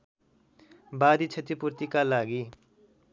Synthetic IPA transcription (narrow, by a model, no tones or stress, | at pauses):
bad̪it͡sʰet̪ipurt̪ikalaɡi